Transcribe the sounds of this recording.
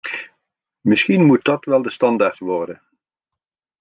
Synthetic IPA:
mɪsχinmut̚dɑtʋɛlˠdəstɑndaːɹtʋɔɹdən

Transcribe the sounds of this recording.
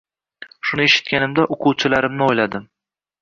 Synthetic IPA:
ʃʊnɪeʃɪ̥t̪̚kʲanɪmd̪aʔʊqʰʊwt͡ʃʰɪlaɾɪmnɪojlad̪ɪm

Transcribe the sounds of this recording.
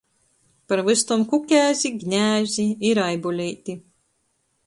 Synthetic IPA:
paɾvɨst̪umkukʲæːzʲiɡnʲæːzʲiiɾajbulʲiːt̪ʲi

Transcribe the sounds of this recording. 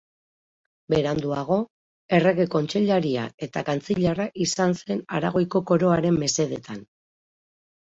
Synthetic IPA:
be̞ɾand̪uaɣ̞o̞ | e̞re̞ɣe̞ko̞nt͡ʃeʎaɾia̰e̞t̪akant͡siʎaraʔisanse̞naɾaɣ̞o̞jko̞ko̞ɾo̞aɾe̞mːe̞se̞ð̞e̞t̪an

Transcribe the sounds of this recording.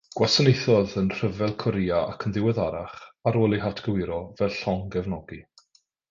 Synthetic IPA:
ɡ̥wasənejθɔðənr̥əvɛlˠkʰɔɾiaa̰kʰənðɪwɛðaɾaχaɾoːlˠiɦatʰɡ̥əwɪɾɔvɛlˠɬɔŋɡɛvnɔɡi

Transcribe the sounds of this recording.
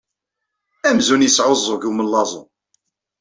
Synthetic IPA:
æmzunjisʕozˤːoʝuwməlːɑzˤo̰

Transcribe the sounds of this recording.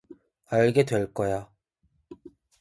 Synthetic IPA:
aɭɡe̞dwe̞ɭk͈ʌja

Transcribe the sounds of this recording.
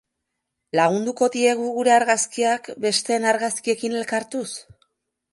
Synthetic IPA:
laɣ̞und̪uko̞ðie̞ɣ̞uɣuɾe̞aɾɣaskiakbe̞st̪e̞naɾɣaskie̞kine̞lkaɾt̪us

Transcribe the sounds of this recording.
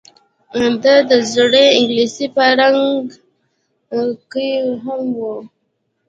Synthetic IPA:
ad̪ad̪əzoɽeɪŋɡlisipəɾaŋɡ | kəɦamwu

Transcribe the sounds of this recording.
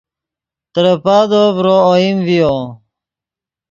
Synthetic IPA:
t̪əɾəpaːd̪oːvɾooimvio

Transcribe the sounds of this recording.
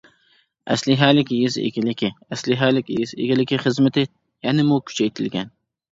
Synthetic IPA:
ʔæ̰slɪɦælɪkʲjyzɪ̰kʲɪlɪkʲʰɪæslɪɦælɪkʲjɪzɪ̰ɡʲɪlɪkʲʰiχɨzmɪt̪ʰɪ | jænɪmʊkʲʰy̥t͡ʃʰæjt̪ʰɪlɡʲɛn

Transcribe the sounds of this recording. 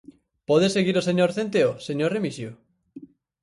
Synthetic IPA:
pɔðeseɣiɾoseɲoɾθent̪eoseɲoɾremisjo

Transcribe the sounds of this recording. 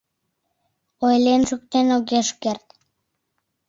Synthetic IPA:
ojlenʒuk̚t̪enoɣeʃkert̪

